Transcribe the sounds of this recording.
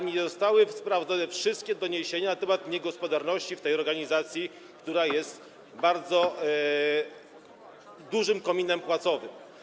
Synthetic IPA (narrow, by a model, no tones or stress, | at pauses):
ɲizɔst̪awɘfspɾavd̪zɔnɛfʂɘst̪̚kʲɛd̪ɔɲeɕeɲanat̪ɛmat̪ɲɛɡɔspɔd̪aɾnɔɕt͡ɕift̪ɛjɔɾɡaɲizat̪sʲji | kt̪uɾajɛst̪ | baɾd̪zɔ | d̪uʐɘmkɔmʲinɛmpwat̪sɔvɘm